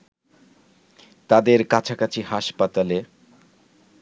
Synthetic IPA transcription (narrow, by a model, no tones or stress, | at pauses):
t̪ad̪eɾkat͡ɕʰakat͡ɕʰiɦaʃpat̪ale